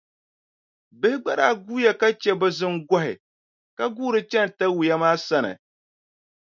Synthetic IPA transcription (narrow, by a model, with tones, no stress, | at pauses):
bɨ˦hɪ˦ɡ͡ba˦ɾaː˦ɡuː˦ja˨ka˦t͡ʃɛ˦bɨ˦zɨ˦nɡɔ˦ɦɪ̰˨ | ka˦ɡuː˦ɾɨ˦t͡ʃɛ˦n˨ta˦wu˨ja˦maː˦sa˦nɨ̰˨